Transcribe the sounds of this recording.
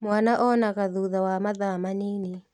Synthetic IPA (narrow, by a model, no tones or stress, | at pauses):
mwanaʔɔnaɣaðuðawamaðamanini